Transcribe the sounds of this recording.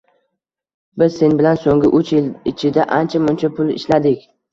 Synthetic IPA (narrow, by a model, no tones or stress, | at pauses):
bɪz̥se̞nbɪlansoŋɡʲɪʔʊt͡ʃjɪlɪt͡ʃʰɪd̪aʔant͡ʃʰamʊnt͡ʃʰapʰʊlɪ̰ʃlad̪ɪkʲ